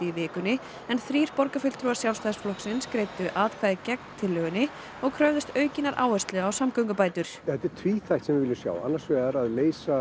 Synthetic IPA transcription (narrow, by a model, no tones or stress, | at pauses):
ivɪːkʏnːɪ | ɛnθɾiːɾ̥pɔɾkafʏl̥t̪ʰɾuasjawlst̪ajðsflɔhksɪnskɾeːjt̪ʏʔaːt̪kʰvaːðɪcɛk̚nt̪ʰɪlːœːɣʏnːɪ | ɔɣkʰɾœvðɪst̪œːɥcɪnaɾʔa̰ːwɛst̪lɛɣaːwsamkœwŋkʏpaːjt̪ʏɾ̥ɛt̪ːɛɾ̥t̪ʰviːθajt̪sɛmvɪvɪlːɪʏsja̰ːwa̰nːaɾ̥svɛːaɾaðleːjsa